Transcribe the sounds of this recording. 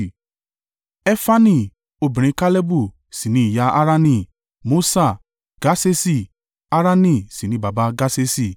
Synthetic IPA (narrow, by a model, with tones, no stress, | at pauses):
ɛ˦fa˦nĩ˦˧˨ | o˧bĩ˨ɾ̃ĩ˧˦ka˦le˦bu˦˨ | si˨nĩ˨˦i˨ja˧˦a˦ɾa˦nĩ˧˨ | mo˦sa˦˨ | ɡ̥a˦se˦si˦˨ | a˦ɾa˦nĩ˦˨si˨nĩ˨˦ba˨ba˧˦ɡa˦se˦si˦˨